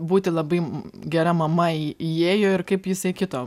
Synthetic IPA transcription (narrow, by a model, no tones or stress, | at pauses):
buːt̪ʲɪlˠɐbɐɪɡʲɛɾɐmɐmɐiijeːjoːɪrkɐɪpjɪsɐɪkʲɪt̪oː